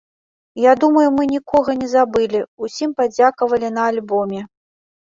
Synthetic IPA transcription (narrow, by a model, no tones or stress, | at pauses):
jad̪umɐjumɨnʲikʰɔɣɐnʲɛzabɨlʲiusʲimpad͡zʲakɐvɐlʲinɐːlʲbɔmʲɛ